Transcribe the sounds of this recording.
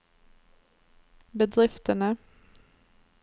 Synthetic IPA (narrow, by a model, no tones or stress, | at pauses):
bəd̪ʁɪft̪ənə